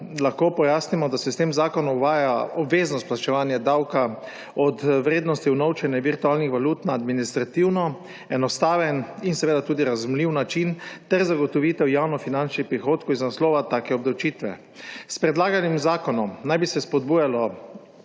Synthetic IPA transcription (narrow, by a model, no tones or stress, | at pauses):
laxkoːpɔjaːsnimɔd̪asɛst̪emzaːkɔnɔuʋaːjaɔbʋeːznɔst̪plat͡ʃɛʋaːnjad̪awka | ɔt̪ʋɾeːd̪nɔst̪iwnɔwt͡ʃɛnjɛʋiɾt̪uaːlnixʋaluːt̪naːd̪minist̪ɾat̪iwnɔ | ɛnɔst̪aːʋɛninsɛʋeːd̪at̪uːd̪iɾazumliwnat͡ʃint̪ɛɾzaɡɔt̪ɔʋiːt̪ɛwjawnɔfinant͡ʃnixpɾixoːt̪kowiznaslɔːʋat̪aːkɛɔbd̪awt͡ʃiːt̪ʋɛ̰ | spɾɛd̪laːɡanimzaːkɔnɔmnajbisɛspɔd̪̚buːjalɔ